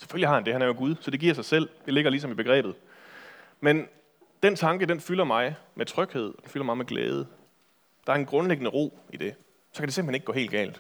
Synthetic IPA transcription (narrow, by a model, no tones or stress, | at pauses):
se̥følihɑ̈hænd̥e̝hænæjoɡ̥uð̞ˠsɒ̽d̥e̝ɡ̥iɐsɑɪsel̰d̥e̝le̝ɡ̥ɐlis̬ɒ̽mib̥e̝ɡ̥ʁɛ̰ːb̥ð̩ˠ | men | d̥ent͡sʰɑ̈ŋɡ̥əd̥enfylɐmɑ̈ɪmʔet͡sʰʁœɡ̥he̝ð̞̰ˠɒ̽d̥enfylɐmɑ̈ɪmeɡ̥lɛ̰ːð̞ˠə | d̥ɑ̈æɐenɡ̥ʁɔ̽nleɡ̥ənəʁo̝̰ːid̥e̝ | sɒkʰædese̝mn̩heneɡ̥ɡ̥ɔ̰̽ːe̝̰ːld̥̚ɡ̥ɛ̰ːld̥